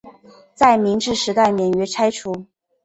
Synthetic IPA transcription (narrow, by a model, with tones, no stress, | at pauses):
t͡sa˥˩ɪmi˧˥ŋʈ͡ʂɻ̩˥˧ʂɻ̩˧˥t̪a˥˩ɪmjɛ˨˩nɥɛ˧˥ʈ͡ʂʰa˥ɪʈ͡ʂʰu˧˥